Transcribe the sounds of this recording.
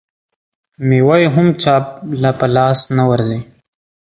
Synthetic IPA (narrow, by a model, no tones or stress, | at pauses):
miwajɦʊmt͡ʃaːp̚lapəlɑːsnawɐɾzi